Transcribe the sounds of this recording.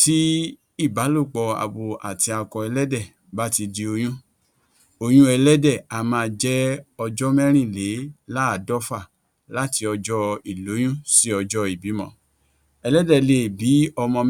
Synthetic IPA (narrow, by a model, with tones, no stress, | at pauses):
ti˦ | i˦˨ba˨˦lo˦˨k͡pɔ˧˨a̰˨bo˨a̰˨ti˧a˧kɔ˧ɛ˧lɛ˦dɛ˦˨ | ba˦ti˧di˧o˧j̃ũ˦ | o˧j̃ũ˦ɛ˧lɛ˦dɛ˦˨a˨mãː˦˧d͡ʒɛ˦ɔ˧d͡ʒɔ˦mɛ̃˦ɾ̃ĩ˦˨le˨˦la˦a˨dɔ˦fa˦˨ | la˦ti˧ɔ˧d͡ʒɔ˦i˨lo˨˦j̃ũ˦si˦ɔ˧d͡ʒɔ˦i˨bi˨˦mɔ̰̃˦˨ | ɛ˧lɛ˦dɛ˦˨le˨bi˨˦ɔ˧mɔ̃˧